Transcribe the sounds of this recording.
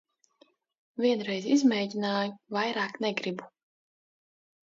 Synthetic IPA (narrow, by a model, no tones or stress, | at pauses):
vʲiɛnɾɛjzizmɛːɟʲinaːjuvajɾaːknɛɡɾibu